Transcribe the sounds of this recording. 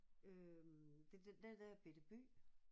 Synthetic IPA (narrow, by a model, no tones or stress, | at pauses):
ømd̥edd̥ed̥æb̥ed̥əb̥y̰ː